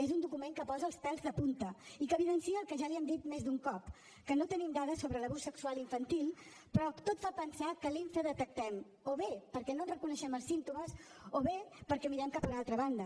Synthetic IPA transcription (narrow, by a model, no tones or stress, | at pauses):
ezund̪ukumeŋkəpɔzəːlˠspɛlzðəpunt̪əikəβilənsiəlˠkəʒaliɛmd̪it̪mezd̪uŋkɔp | kənot̪ənimd̪aðəsoβɾələβusːəksualiɱfənt̪ilˠ | pɾɔt̪ot̪fapənsakəliɱfəðət̪ək̚t̪ɛm | oβepəɾkɛnonrəkunəʃɛməlˠsint̪uməz | oβepəɾkɛmiɾɛmkapunalˠt̪ɾəβand̪ə